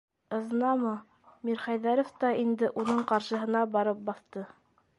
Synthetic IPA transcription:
ɤ̆ðɤ̆nɑmɤ | miɾχæjðæɾŏft̪ɑind̪ɘʔunɤɴqɑɾʃɤ̆ɦɤ̆nɑbɑɾɤp̚bɑθt̪ɤ

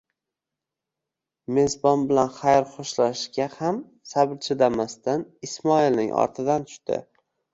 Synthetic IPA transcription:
me̞zbɒnbɪlanχajɾχoʃlaʃɡʲaham | sabɾt͡ʃʰɪd̪amast̪anɪsmɒilnɪ̰ŋʔɒ̰ɾt̪ʰɪd̪ant̪ʰʊ̥ʃt̪ɪ̰

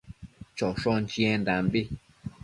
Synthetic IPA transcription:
t͡ʃoʂont͡ʃĩẽnd̪ambi

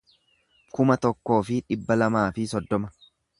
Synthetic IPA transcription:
kʊmɐt̪ɔkːo̞ːfɪᶑɪbːɐlɐmaːfɪsɔd̪ːɔmɐ

